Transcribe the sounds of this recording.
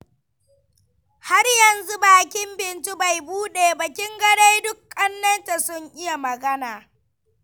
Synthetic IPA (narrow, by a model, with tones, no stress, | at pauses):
ha˦rjɐ˨nzu˦baː˨kʲɪ˦mbɪ˨ntu˦ba˨jbuː˦ɗeː˨bɐ˨kʲɪ˦ŋɡɐ˦ɽe˦jdʊ˦kʼːɐ˦nːɐ˦nta˨sʊ˦ŋʔɪ˦ja˨mɐ˨ɡɐ˦naː˨